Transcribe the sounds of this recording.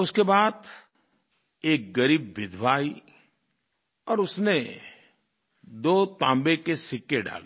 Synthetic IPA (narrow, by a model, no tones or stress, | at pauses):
ʊskebaːd̪ | eːk̚ɡɐɾiːbːɪd̪ʱʋaːi | ɔːɾʊsne | d̪oːt̪ãːmbekesɪkːeɖa̰ːle